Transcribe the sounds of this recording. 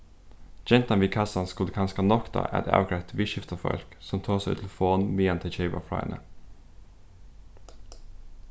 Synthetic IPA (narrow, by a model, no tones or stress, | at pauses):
d͡ʒɛnt̪ɑnʋɪːkʰɑsɑnskʉləkʰɑnskɑnɔkd̪ɑ̰ʔæ̰ːd̪ɛ̰ʔɑ̰ːɡʰɾɛt̪ʋɪːʃɪft̪ɑfɔ̰lksɔmt̪ʰoːsæɪ̰t̪ʰlfoːnmiːɛnt̪ʰɪt͡ʃeɪbɑ̰fɾɑ̰ːɛ̰nʔə̰